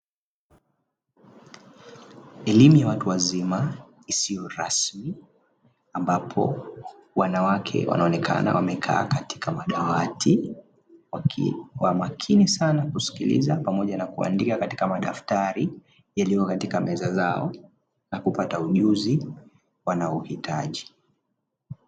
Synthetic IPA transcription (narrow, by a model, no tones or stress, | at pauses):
ɛlimujawatuwazima | isijɔɾasmi | ambapʰɔ̰wanawakʰɛ̰wa̰nʔaɔnɛkʰa̰na̰wamɛkʰa̰ːkati̥kamaɗawati | wawamakʰinisanakusi̥kilḭzapamɔʄanakua̰ndikakati̥kamaɗaftaɾi | jalikɔkatikamɛzazaɔ | nakupatauʄuzi | wanaɔuhitʰaʄi